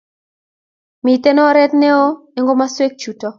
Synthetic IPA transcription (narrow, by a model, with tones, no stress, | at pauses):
mi˨te˦nɔ˦ɾɛ˦t̪nɛ˦o˦ɛ˨ŋɡo˦ma˦swe˦k̚t͡ʃu˨tɔ˦